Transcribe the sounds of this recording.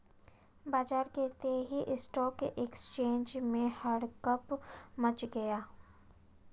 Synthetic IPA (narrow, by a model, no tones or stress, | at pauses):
baːd͡ʒaːɾkeːt̪eɦiʔɪsʈɔːkeʔekst͡ʃeːɲd͡ʒmẽhɐɽkəpmɐt͡ʃɡɐjaː